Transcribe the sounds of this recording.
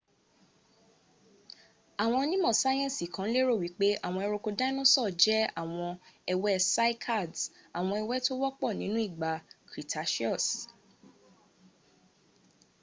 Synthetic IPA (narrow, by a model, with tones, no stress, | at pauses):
a˨w̃ɔ̃˧nĩ˦mɔ̃˦˨sa˦j̃ɛ̃˦˨si˨kã˨˦le˦ɾo˦˨wi˨˦k͡pe˦ʔa˦˨w̃ɔ̃˧ɛ˧ɾo˧ko˧da˦ĩ˦nũ˦sɔ˦˨d͡ʒɛ˦a˦˨w̃ɔ̃˧ɛ˧wɛ˦sa˦i˦kʰa˦˨da˨w̃ɔ̃˧ɛ˧wɛ˦to˦wɔ˦k͡pɔ˦˨nĩ˨˦nũ˦i˦˨ɡ͡ba˨kɾi˨tʰa˨˦ʃi˦ɔ˦˨s